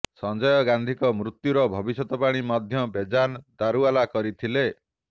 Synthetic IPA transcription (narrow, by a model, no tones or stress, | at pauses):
sɔnd͡ʒɔjɔɡand̪ʱikɔmɾut̪ːjuɾɔbʱɔbisɔt̪ɔpaɽ̃imɔd̪ʱjɔbed͡ʒand̪aɾualakɔɾit̪ʰile